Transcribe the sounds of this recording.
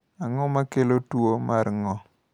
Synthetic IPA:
aŋɔmakelotwomaɾŋɔ

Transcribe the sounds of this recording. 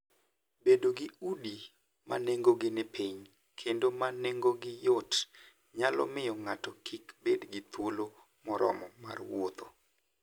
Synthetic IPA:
bedoɡɪudi | ma̰neŋɡoɡɪnɪpiɲ | kʰendomaneŋɡoɡɪjot | ɲalɔ̰mɪjɔŋatɔkʰikbedɡɪt̪wolo | mɔɾɔ̰mɔma̰rwot̪o

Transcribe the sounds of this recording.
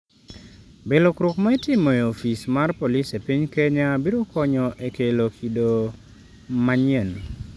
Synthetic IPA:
belokɾʊkmaɪtɪmɔeofismarpolisepiɲkeɲabiɾokɔɲɔʔekelokʰido | maɲɛn

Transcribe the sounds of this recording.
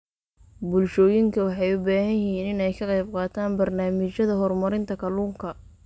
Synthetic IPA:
bʊlʃɔːjɪŋkʰɐwɑħɑjʊbaːhɐnjɪɦhiːnɪnɛjkʰɐqɑjb̚qɑːt̪ʰaːnbɐrnaːmɪt͡ʃɐðɐɦɔrmɐɾɪnt̪ʰɐkʰɐluːŋkʰɐ

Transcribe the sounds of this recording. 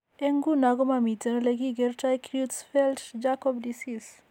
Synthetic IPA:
eŋɡunaɡomamit̪enɔleɡiɡeɾt͡ʃajkɾiutsfɛltd͡ʒakɔbdisis

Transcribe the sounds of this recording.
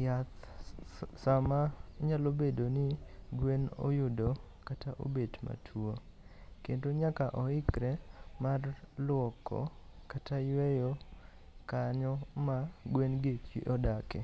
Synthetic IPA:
jat̪ | samaɲalobedonɪɡweno̰jʊdo | kataʔo̰bedma̰tʰuo | kentoɲakaʔɔɪkɾɛmarlʊɔkʰɔ̰katajwɛjo | kaɲɔmaɡwenɡekwḭʔɔdakɛ

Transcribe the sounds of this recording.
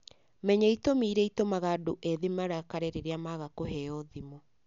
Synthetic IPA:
mɛɲaitomiːɾɛitomaɣadoʔeðemaɾakaɾɛɾeɾeamaɣakoɦɛɔðimɔ

